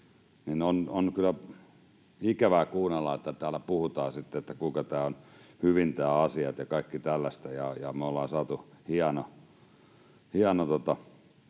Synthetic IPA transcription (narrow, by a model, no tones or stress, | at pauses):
ninononkylːˑæ | ikæʋækuːnɑlːɑet̪ːæt̪æːlæpuhut̪ɑːsit̪ːeet̪ːækuikɑt̪æːonhyʋint̪æːɑsiɑt̪jɑkɑikːit̪ælːæst̪æjɑjɑmeolːɑːsɑːt̪uhiɑno | hiɑnot̪ot̪ɑ